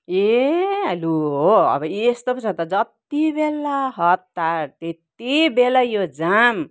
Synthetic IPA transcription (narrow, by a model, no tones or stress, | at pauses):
ealuɦoʌ̰bʌest̪opʌt͡sʰat̪ʌd͡zʌt̪ibelːaɦʌt̪ːaɾt̪et̪ːibelajod͡zam